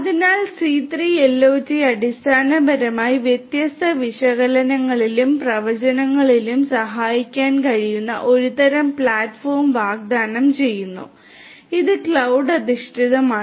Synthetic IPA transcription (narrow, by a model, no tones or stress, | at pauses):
ɐðinaːlsiːt̪riːelːo̞ːd͡ʑiɐɽist̪ʰaːnɐbʱɐɾɐmaːjiʋjet̪jɐst̪ʰɐʋiʂɐɣɐlɐnɐŋːɐɭilumprɐʋɐt͡ɕɐnɐŋːɐɭilumsɐɦaːjikʲːaːnkɐɻijunːɐ̰ʔo̞ɾut̪ɐɾɐmpɭaːtfoːrmʋaːɡ̚d̪aːnɐmt͡ɕe̞jːunːṵ | iðɨkɭɐwɖɐd̪iʂʈʰiðɐmaː